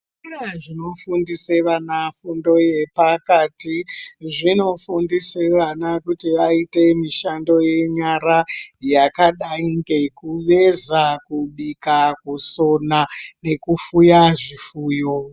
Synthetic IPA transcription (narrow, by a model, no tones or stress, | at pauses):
raʐino̞fundiseʋanafundo̞je̞pakatiʐino̞fundiseʋanakutiʋaite̞miʃando̞je̞ɲaɾajakaɗaiŋɡe̞kuʋe̞zakuɓikakuso̞nane̞kufujaʐifuːjo